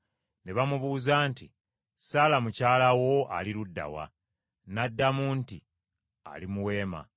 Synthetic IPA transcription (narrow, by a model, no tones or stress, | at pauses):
ne̞βamuβuːzaːnti | salamucaːlawo̞ʔa̰liɾudːa̰wa̰ | nadːamuːnti | a̰limuwe̞ːma̰